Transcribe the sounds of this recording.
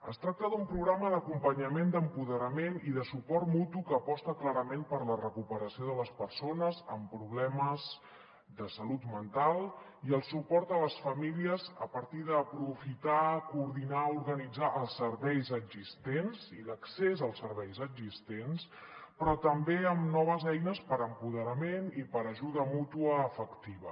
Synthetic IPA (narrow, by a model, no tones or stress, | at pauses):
ə̰st̪ɾak̚t̪əðumpɾuɣɾaməðəkumpəɲəmend̪əmpuðəɾəmeniðəsupɔɾt̪mut̪ukəːpɔst̪əklaɾəmempəɾlərəkupəɾəsioðələspəɾsonəzə̰mpɾuβ̞lɛməz | d̪əsəlut̪mənt̪alˠ | iəlˠsupɔɾt̪ələsfəmiliəzəpəɾt̪iðəːpɾufit̪akuːɾðinauɾɣənid͡zaʔəlˠsːəɾβɛjzəɡzist̪enziləksezəlˠsəɾβɛjzəɡzist̪ens | pɾɔt̪əmbeəmnɔβ̞əzɛjnəspəɾəmpuðəɾəmenipəɾəʒuðəmut̪uəːfəkt̪iβə̰